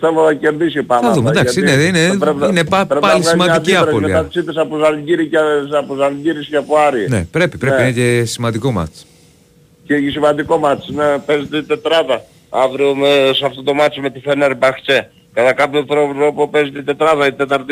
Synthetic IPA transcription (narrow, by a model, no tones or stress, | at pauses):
θevoðɐceɾðisopɐθɐðumed̪ɐssiineineɾepineɐɾepɐlissmɐnic̪iɐɾpolmiɐɐt͡sit̪esɐpozɐlɟiɾisɐpozɐlɟiɾiscɐpoɐɾinḛpɾe̞pipɾeinɐcesimɐnd̪iko̞mɐ̰t̪s | ceʝisimɐnd̪iko̞mɐt̪snepezit̪et̪et̪ɾɐðɐ | ɐvɾiomesɐft̪ot̪o̞mɐt͡ʃime̞t̪ifeneɾbɐxt͡ʃe̞ | kɐt̪ɐkɐpçot̪ɾo̞ɾo̞pope̞zit̪et̪e̞t̪ɾɐðɐit̪et̪ɐɾt̪i